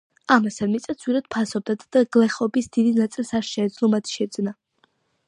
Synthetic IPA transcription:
amasanmit̪sʼat̪sʰwiɾad̪̥̚pʰasɔb̚d̪ad̪d̪̥aɡlɛχɔbisd̪id̪inat̪sʼilˠsaɾʃɛːd̪zlˠɔmat̪ʰʃɛd̪zna

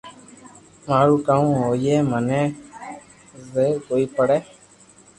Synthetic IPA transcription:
maːɾuːkaːũːɦoːiːeːmənɛ̃ː | zeːkoːiːpəɽɛː

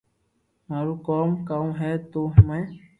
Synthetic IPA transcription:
mãɾukɔmkaũɦɛt̪oɦmɛ̃

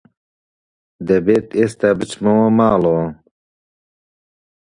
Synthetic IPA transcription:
d̪ebet̪est̪abit͡ɕmɐwomaːlo

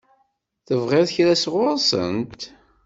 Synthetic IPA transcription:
θəvʁɪðθçɾæsʁʊɾsə̰nt̪

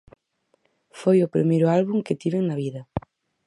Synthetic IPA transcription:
fojʊpɾḭmejɾʊalβuŋkɪt̪iβeŋnɐβiðɐ

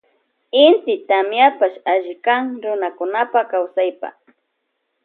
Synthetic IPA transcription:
ɪnt̪ɪt̪amjapaʃaʒɪkaŋɾʊnakʊnapakawsajpa̰

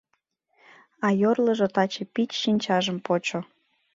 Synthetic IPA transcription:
ɑjorlə̆ʒŏt̪ɑt͡ɕĕpit͡ɕʃinʲt͡ɕɑʒəmpot͡ɕo

